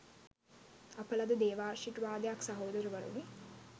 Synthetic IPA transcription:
apəlad̪əd̪eːʋaːɾʃiʈuʋaːd̪ejaksaɦoːd̪əɾəʋəɾṵni

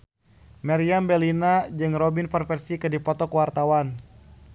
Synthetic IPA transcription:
maɾiambɛlinad͡ʒɨŋrɔbinpɛrfɛrsikɨdipɔt̪ɔkuwart̪awan

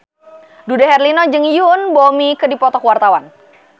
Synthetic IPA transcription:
dudaɦɛrlinɔd͡ʒɨŋjunbomikədipɔt̪ɔkwart̪awan

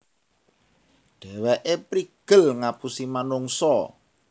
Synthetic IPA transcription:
ɖ̥ɛ̤weʔepɾiɡ̥ə̤lŋapusimanuŋsɔ

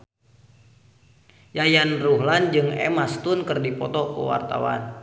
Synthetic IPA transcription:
jajanruɦland͡ʒɨŋɛ̰mast̪unkɨrdipɔt̪ɔkṵwa̰rt̪a̰wa̰n

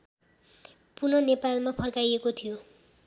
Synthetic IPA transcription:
punʌnepalmapʰʌɽkajekot̪ʰijo

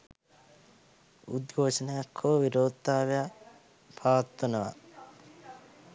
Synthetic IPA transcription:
ṵd̪ɡʱoːʃənəjakʰːoːʋiɾoːt̪ːaːʋeja | pʰaːat̪ːonəʋa̰

